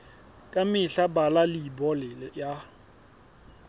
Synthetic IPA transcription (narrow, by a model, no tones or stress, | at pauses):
kʼamɪɬabalalibɔlɪja